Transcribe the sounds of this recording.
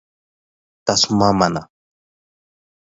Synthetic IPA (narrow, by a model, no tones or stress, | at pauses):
t̪asmamana̰